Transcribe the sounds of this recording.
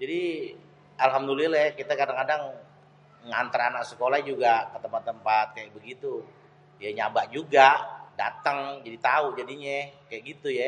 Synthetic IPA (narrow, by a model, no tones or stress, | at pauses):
d͡ʒadi | alɦamdululɛkit̪akadaŋkadaŋ | ŋa̰nt̪əɾanaksəkolahd͡ʒuɡakət̪əmpat̪ːəmpat̪̚kajaʔ̚bəɡit̪u | jaɲabaʔd͡ʒuɡada̰t̪əŋd͡ʒadit̪aud͡ʒadiɲɛkajaʔɡit̪uja